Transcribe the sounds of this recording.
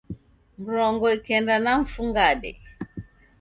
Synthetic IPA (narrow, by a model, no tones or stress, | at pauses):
m̩ɾɔŋɡɔikɛndanaɱ̩fuŋɡaɗɛ̰